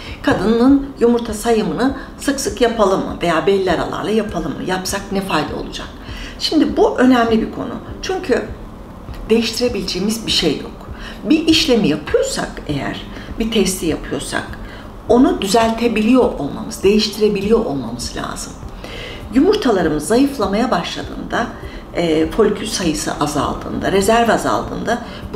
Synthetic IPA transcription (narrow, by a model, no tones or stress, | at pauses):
kʰad̪ɯnɯnɯnjumuɾt̪ʰasajɯmɯnɯ | sɯksɯkjapʰalˠɯmːɯ̰ve̞jaːbɛlʲːæɾa̰lˠa̰ɾlˠajapʰalˠɯmːɯ̰japsaknɛfajd̪a̰o̰lˠud͡ʒa̰k̚ | ʃimd̪ibuʔø̞næmlʲibikʰo̞̰nṵt͡ʃʰyɲcʰy | d̪e̞jiʃt̪ʰiɾe̞bilʲid͡ʒeːmizbiʃejːo̰k | biʔiʃlʲe̞mijapʰɯjo̞ɾsa̰ke̞jæ̰ɾ̥ | bit̪ʰɛst̪ʰijapʰɯjo̞ɾsa̰k | o̞nud̪yzælʲt̪ʰe̞bilʲijo̞ʔo̞lˠma̰mɯz̥d̪e̞jiʃt̪ʰiɾe̞bilʲijo̞ʔolˠmamɯzɯlʲa̰ːzɯm | jumuɾt̪ʰalˠaɾɯmɯzːajɯflˠamajabaʃlˠa̰d̪ɯ̰ːnd̪a | fo̞lʲcʰysajɯsɯ̰ʔaza̰lˠd̪ɯ̰ːnd̪aɾezæɾvaza̰lˠd̪ɯ̰ːnd̪a